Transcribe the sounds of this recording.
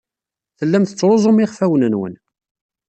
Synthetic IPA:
θəlːæmθə̥t͡sːɾˤozˤomiʁfæwnənwə̰n

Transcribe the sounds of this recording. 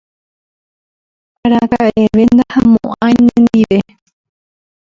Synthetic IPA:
aɾaɡaʔe̞ʋe̞nd̪ahãmõ̰ʔãjnẽnd̪iʋe̞

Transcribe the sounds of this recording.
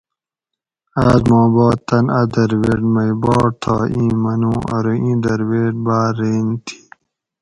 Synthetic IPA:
aːzmõːboːt̪ːɐnɐd̪ɐɾweːʈmɐjbɔːɾ̚t̪ʰa̰ːĩːmɐnũːʔɐ̰ɾoʔĩːd̪ɐɾweːʈ̚baːɾeːnt̪ʰi̥ː

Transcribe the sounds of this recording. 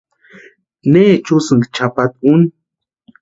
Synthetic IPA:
neːt͡ʃusɨŋɡt͡ʃʰapat̪̚un

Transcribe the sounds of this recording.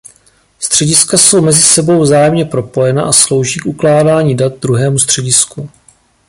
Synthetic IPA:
st̪r̝̥ɛɟɪskaso̞wmɛzɪsɛbo̞wvzaːjɛmɲɛpɾo̞po̞jɛna̰ʔaslo̞wʒiːkʔuklaːdaːɲidat̪̚d̪ɾuɦɛːmust̪r̝̥ɛɟɪsku

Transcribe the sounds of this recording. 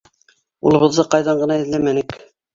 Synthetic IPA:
ṵlˠɤ̆βɤ̆ðːɤqɑjðɑɴɢɤ̆nɑɘ̆ðlæmænɘk

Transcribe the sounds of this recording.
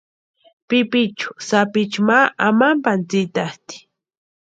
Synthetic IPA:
pɪpɪt͡ʃʊ̥sapɪt͡ʃmaamampant͡sɪt̪aht̪i̥

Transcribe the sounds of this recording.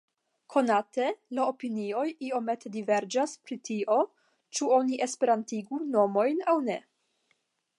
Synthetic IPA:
kʰo̞nate̞lao̞pinio̞jio̞me̞tʰe̞dive̞ɾd͡ʒaspɾitʰio̞ | t͡ʃuo̞niʔe̞spe̞ɾantiɡuno̞mo̞jnawne̞

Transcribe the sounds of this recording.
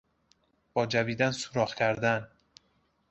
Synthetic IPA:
b̥ɒːd͡ʒæviːd̪ænsuɾɒːχcʰæɾd̪æn

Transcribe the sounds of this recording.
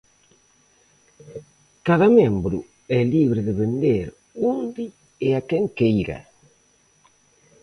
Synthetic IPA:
kaðɐmembɾʊ̰ | ɛliβɾɪðɪβend̪eɾ | und̪ɪ | eakɛŋkejɾɐ̰

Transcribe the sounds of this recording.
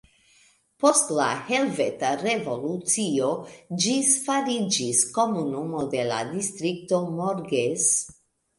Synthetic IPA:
po̞stla̰he̞lvetaɾe̞vo̞lut͡sio̞d͡ʒisfaɾid͡ʒisko̞munumo̞de̞la̰dist̪ɾik̚to̞moɾɡes

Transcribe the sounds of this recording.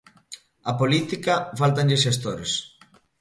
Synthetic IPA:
apolit̪ikafalt̪anʎesʃest̪oɾes

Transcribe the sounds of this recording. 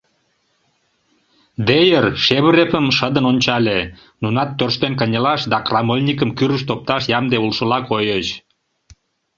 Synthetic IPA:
d̪ejərʃeβəɾepəmʃəd̪ənonʲt͡ɕɑle | nunɑt̪ːørʃt̪enkənʲəlɑʃd̪ɑkrɑmolʲnʲikəmkyɾəʃt̪op̚t̪ɑʃjɑmd̪eulʃəlɑkojət͡ɕ

